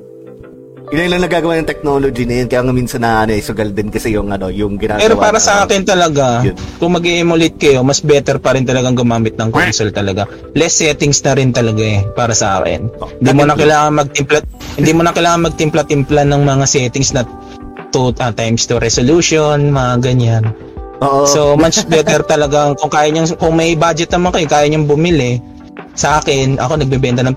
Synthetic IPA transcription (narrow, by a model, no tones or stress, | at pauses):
ʔɪlɐlɐŋnɐɡaːɡɐwaːnɐŋt̪ɛk̚noːlod͡ʒinɐjonkɐjaŋɐmiːnsɐnːɐʔɐnoʔɐjsʊɡɐld̪ɪnkɐsɛjʊŋʔɐno̞jʊŋɡɪnaːɡpɛɐɾowpaːɾɐsɐʔaːkɪnt̪ɐlɐɡakʊŋmɐɡiʔɪmʊlɪt̪̚kɐjo̞mɐsbɛt̪ɛɾpɐɾɪnt̪ɐlɐɡaŋɡʊmaːmɪt̪̚nɐŋkonsolt̪ɐlɐɡa | lɛsːɛːt̪ɪŋsnɐɾɪnt̪ɐlɐɡaɛpaːɾɐsɐʔa̰ːkɪ̰nhɪnd̪imonɐkɐlaːŋɐŋmɐɡ̚t̪ɪmplahɪnd̪iːmonɐkɐlaːŋɐŋmɐɡ̚t̪ɪmplɐt̪ɪmplanɐŋmɐŋasɛt̪ɪŋsnɐ | t̪uʔɐt̪ajmst̪uɾɛsoluːʃonmɐŋaɡɐɲanː | so̞mɐsbɛt̪ɛɾt̪ɐlɐɡaŋkʊŋkaːjɐɲaŋkʊŋmɛjbaːd͡ʒɛt̪̚nɐmɐkɐjokaːjɐɲʊŋbʊmɪlɪ | sɐʔaːkɪnʔɐ̰ko̞nɐɡ̚bɛbɛnt̪ɐnɐŋ